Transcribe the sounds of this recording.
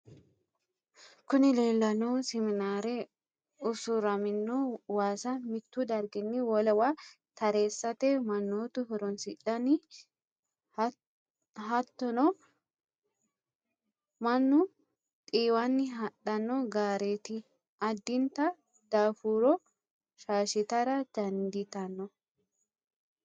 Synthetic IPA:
kʊnɪleːlːɐnɔwsɛmɪnaːɾɛ | ʊsʊɾɐmɪnːɔwaːsɐmɪt̪ːʊd̪ɐɾɡɪnːɪwɔlɛwa | t̪ɐɾeːsːɐt̪ɛmɐnːoːt̪ʊhɔɾɔnsɪɗɐnɪ | ɦɐt̪ːɔnɔ | mɐnːʊ | t̪ʼiːwɐnːɪɦɐɗːɐnːɔɡaːɾeːt̪ɪ | ʔɐd̪ːɪnt̪ɐ | d̪̥aːfuːɾɔ | ʃaːʃɪt̪ɐɾɐd̪̥ɐnd̪ɪt̪ɐnːɔ

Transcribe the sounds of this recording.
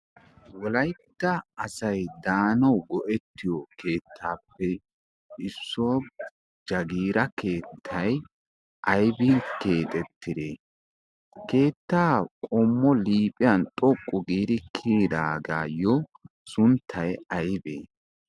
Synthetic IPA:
wɔlɐjt̪ːɐːɐsɐjd̪aːnɐwɡɔʔɛt̪ːɪjoke̞ːt̪ʰːaːpːɛ | ʔɪsːoː | d͡ʒɐɡiːɾɐke̞ːt̪ʰːɐj | ʔɐjbɪke̞ːt̪ʼɛt̪ːɪd̪eː | ke̞ːt̪ːaːkʼɔmːɔliːpʼɪjɐnt̪ʼɔkʼːʊɡiːd̪ɪkʰiːd̪aːɡaːjɔsʊnt̪ʰːɐjɐjbḛː

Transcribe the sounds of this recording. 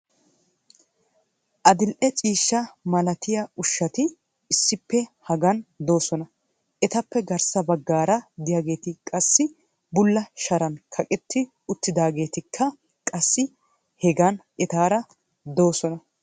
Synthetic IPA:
ʔɐd̪ɪlʔɛt͡ʃʼiːʃːɐmɐlɐt̪ɪjɐʊʃːɐt̪ɪ | ɪsːɪpːɛhɐɡɐnd̪o̞ːsɔnɐ | ʔɛt̪ɐpːɛɡɐɾsɐbɐɡːaːɾɐd̪ɪjaɡe̞ːt̪ɪkʼɐsːɪ | bʊlːɐʃɐɾɐnkʰɐkʼɪt̪ːɪ | ʊt̪ːɪd̪aːɡe̞ːt̪ɪkʰːɐ | kʼɐsːɪ | hɛɡɐnʔɛt̪aːɾɐ | d̪o̞ːsɔnɐ

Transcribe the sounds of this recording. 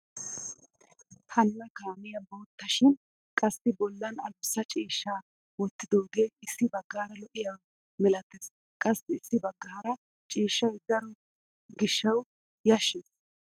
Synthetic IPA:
hɐnːɐkaːmɪjɐboːt̪ːɐʃɪn | kʼɐsːɪbɔlːɐnɐlsːɐt͡ʃʼiːʃːaː | wɔt̪ːɪd̪oːd̪eɪsːɪbɐɡːaːɾɐlɔʔɪjɐw | mɛlɐt̪ːes | kʼɐsːɪsːɪbɐɡːaːɾɐ | t͡ʃʼiːʃːɐjd̪ɐɾɔ | ɡɪʃːɐw | jɐʃes

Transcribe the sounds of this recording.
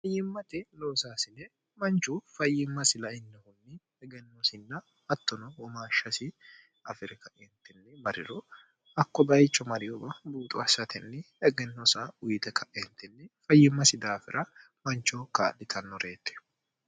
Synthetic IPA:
fɐjːɪmːɐt̪ɪloːsaːsɪnɛ | mɐnt͡ʃːʊfɐjːɪmːɐsɪlɐɪnːɛhʊmːɪ | ɛɡɛnːosɪnːɐ | ɐt̪ːɔnɔwɔmaːʃːɐsɪ | ɐfɪɾɪkɐʔɛnt̪ːɪnːɛmɐɾɪ̰ɾɔ | ɐkːɔbɐjt͡ʃːɔmɐɾɪjɔbɐbuːt̪ʼʊɐsːɐt̪ʰɛnːɛ | ɛɡɛnːɔsaʊjt̪ɛkʰɐʔɛnt̪ːɛnːɛfɐjːɪmːɐsɪd̪aːfɪ̰ɾʔɐ | mɐnt͡ʃːɔkaːɗɪt̪ʰɐnːɔɾe̞ːt̪ːɛ̥

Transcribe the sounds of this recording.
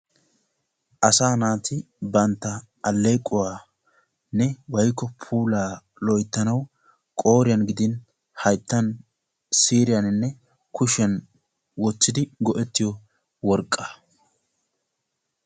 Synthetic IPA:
ʔɐsaːnaːt̪ʰɪ | bɐnt̪ːɐː | lːeːkʼːʊwaː | nɛwɐjkːɔpʰuːlaː | lɔjt̪ːɐnɐw | kʼo̞ːɾɪjɐnɡɪd̪ɪn | hɐjt̪ːɐn | siːɾɪjɐnɪnːɛ | kʰʊʃɐn | wɔt͡sːɪd̪ɪɡɔʔɛt̪ːɪjɔ | wɔɾkʼːɐ

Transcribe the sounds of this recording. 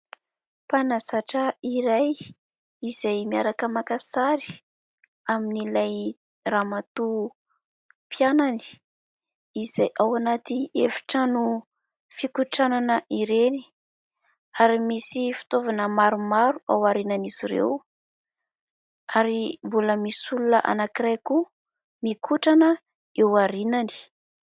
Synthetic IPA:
panasaʈ͡ʂəiɾaj | izajmiaɾakəmakasaɾi̥ | aminilaj | ramat̪u | pjanani̥ | iz̥ajʔawanat̪iefi̥ʈ͡ʂənu | fikuʈ͡ʂananəʔiɾeni̥ | aɾimisifi̥t̪ovanəmaɾumaɾua̰waɾinaniz̥iɾḛw | aɾimbuləmisulunəʔa̰nakiɾajku | mikʰuʈ͡ʂanə | ewaɾinani̥

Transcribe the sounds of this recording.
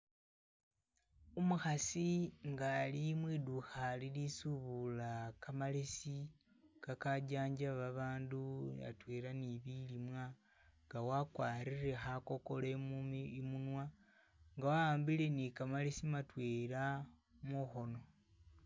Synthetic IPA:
umuxasiŋɡalimwiːduxalilisuβulakamalesi | kakaɟaːɲd͡ʒaβaβaːnduβa̰tweːlaniβilimwa | ŋɡawakwaːɾire̞xako̞ko̞lemumunwa | ŋɡawaaːmbile̞nikamalesimatwela | muxo̞no̞

